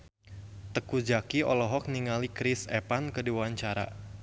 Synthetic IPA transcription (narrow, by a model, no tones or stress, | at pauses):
t̪əkud͡ʒakiɔlɔɦɔk̚niŋalikɾɪsɛpankədiwaɲt͡ʃaɾa̰